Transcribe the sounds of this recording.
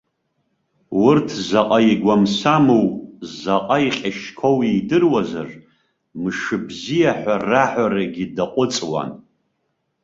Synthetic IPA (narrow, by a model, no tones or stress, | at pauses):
wʊrtʰzaqʼaiɡʷamsamowʼzaqʼaiχʲaʃkʰowejdɨrwazar | mɨʂɨbzijaħʷaraħʷᶣaɾaɡʲidaqʷʼʊt͡sʼwa̰n